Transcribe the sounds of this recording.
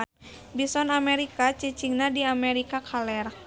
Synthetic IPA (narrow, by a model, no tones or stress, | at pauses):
bisɔnamɛɾikat͡ʃit͡ʃiŋnadiamɛɾikakʰalɛr